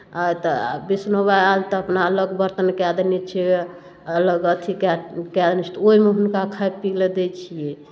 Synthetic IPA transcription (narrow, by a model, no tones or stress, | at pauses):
at̪bisnobaalt̪əpnaələɡbəɾt̪ənkɛd̪nit͡ʃʰɛ | ələɡət̪ʰikɛkɛd̪nt͡ʃʰɛ̥t̪oimeɦunkakʰajpiled̪ɛt͡ʃʰije